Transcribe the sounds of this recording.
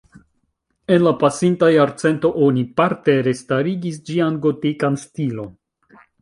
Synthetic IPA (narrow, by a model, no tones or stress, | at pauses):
e̞nlapasintajaɾt͡se̞nto̞ʔo̞nipaɾte̞ɾestaɾiɡis̬d͡ʒianɡo̞tikanstilo̞n